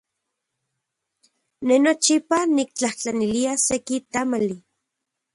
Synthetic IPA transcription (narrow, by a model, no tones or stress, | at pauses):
nenot͡ʃipanik̚t͡ɬaht͡ɬaniliasekit̪amali